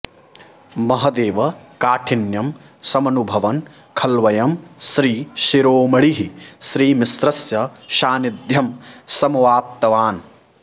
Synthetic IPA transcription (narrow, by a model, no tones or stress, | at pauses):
mɐɦɐd̪eːʋɐkaːʈʰinjɐm | sɐmɐnubʱɐʋɐn | kʰɐlʋɐjɐmʃɾiːʃiɾoːmɐɭiɦiʃɾiːmisɾɐsjɐʃaːnid̪jɐmsɐmʋaːp̚t̪ɐʋaːn